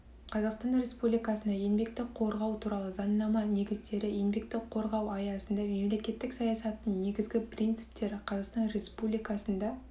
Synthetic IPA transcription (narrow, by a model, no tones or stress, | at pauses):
qʰɑzɑqst̪ɑnre̞spublijkɑsənd̪ɑje̞nbe̞kt̪ɪqʰo̞ɾʁɑwt̪ʰuɾɑlˠəzɑnnːɑmɑne̞ɡʲɪzd̪e̞ɾɪje̞nbe̞k̚t̪ɪqʰo̞ɾʁɑwɑjɑsənd̪ɑme̞mle̞kʲe̞t̪ːɪksɑjɑsɑt̪ːənne̞ɡʲɪzɡʲɪpʰrʲijnt̪sɨ̥p̚t̪e̞ɾɪqʰɑzɑqst̪ɑnrʲe̞spublijkɑsənd̪ɑ